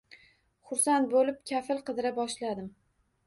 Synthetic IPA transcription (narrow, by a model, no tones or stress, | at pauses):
χʊɾsant̪̚bolɪp̚kʲʰafɪlˠqɨd̪ɪɾabɒʃlad̪ɪm